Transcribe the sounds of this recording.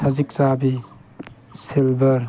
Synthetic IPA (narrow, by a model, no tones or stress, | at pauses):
əzik̚sabi | silbəɾ